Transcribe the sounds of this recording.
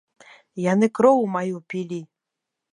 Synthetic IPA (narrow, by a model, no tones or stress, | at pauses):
janɨkɾɔwmajupʲilʲi